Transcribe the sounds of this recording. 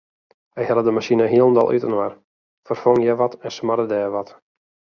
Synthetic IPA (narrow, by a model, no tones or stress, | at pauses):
ɛjhɛlədəmaʃinəɦiəlˠən̩dɔ̰lˠʔy̰tənwar | fərfoŋjɛʋɔtɛnsmadədɛːʋɔt